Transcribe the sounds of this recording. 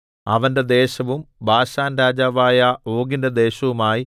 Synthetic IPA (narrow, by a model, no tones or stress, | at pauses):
ɐʋɐnde̞d̪e̞ːɕɐʋumbʱaːɕaːnɾaːd͡ʑaːʋaːjɐo̞ːɡinded̪e̞ːɕɐʋumaːji